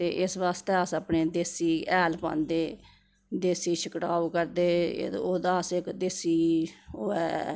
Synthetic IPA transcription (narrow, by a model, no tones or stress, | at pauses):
t̪eːʔɪsʋaːst̪eːəsəpɳeːd̪eːsiːɛːlpã̰ːnd̪eː | d̪eːsiːʃʰəkɽaːukəɾd̪ḛːoːd̪aːsɪkd̪eːsiːoːɛ̰ː